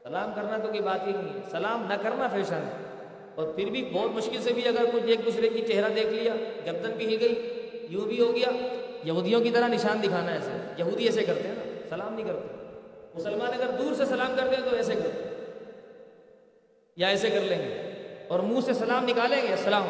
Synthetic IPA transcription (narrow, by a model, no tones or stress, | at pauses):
sɐlaːmkɐɾnat̪okibaːt̪ɦikĩɛsɐlaːmnɐkɐɾnapʰɐɾɪʃaːn | ɔːɾpʰɪɾbʱibɔːt̪mʊʃkɪlsebʱiɐɡəɾkʊt͡ʃʰeːk̚d̪uːsɾekit͡ʃeɦɾad̪eːkʰlijaːɡɐɾd̪ənpɪɦɪlɡɐiː | jũbʱiɦoɡɐjaːjɐɦuːd̪ijõkit̪ɐɾanɪʃaːnd̪ɪkʰaːnaɛːsḛjɐɦuːd̪iɛːsekɐɾt̪eɦɛ̃naːsɐlaːmnɦĩkɐɾt̪eɦmʊsəlmaːnɐɡəɾd̪uːɾsesɐlaːmkɐɾt̪ẽt̪oɛːsekɐɾt̪e | jaɛːsekɐɾlẽːŋɡḛːɔːɾmũːsesɐlaːmnɪkaːlẽːŋɡesɐlaːm